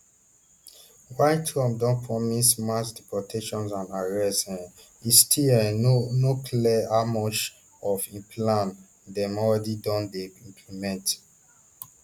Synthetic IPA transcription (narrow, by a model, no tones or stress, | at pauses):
wajtʰɹɔ̃mdɔ̃npʰɹɔmismasdipɔtʰeʃɔ̃nsãnaɹɛsɛ̃n | istʰiɛ̃nokʰliɛamɔt͡ʃ | ɔfĩmpʰlãn | dɛ̃mɔɹɛdidɔ̃ndeĩmpʰlimɛ̃nt